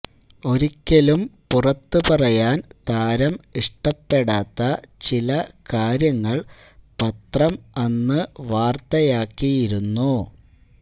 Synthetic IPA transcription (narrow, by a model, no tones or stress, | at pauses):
o̞ɾikʲːelumpurɐt̪ːɨpɐrɐjaːnt̪aːɾɐmiʂʈɐpːe̞ɽaːt̪ːɐt͡ɕilɐkaːɾjɐŋːɐɭ | pɐt̪rɐmɐnːɨʋaːrt̪ɐjaːkːijiɾunːu